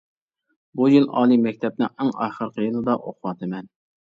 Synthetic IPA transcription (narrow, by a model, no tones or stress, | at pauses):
bujɨlˠɑ̰ːlˠimɛk̚ʲt̪ʰɛp̚nɪŋɪŋɑ̰ːχəɾqʰəjɨlˠɨd̪ɑʔoqʊwɑt̪ʰɨmɛn